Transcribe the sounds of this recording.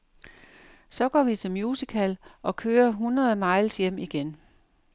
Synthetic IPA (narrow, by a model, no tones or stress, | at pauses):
sɒ̽ɡ̥ɒ̰ːʋit͡sʰe̝lmjuːsikʰælʔɒ̽kʰøːɐɦunʁɐð̩ˠmɑ̈ɪ̰lsjem̰iɡ̥en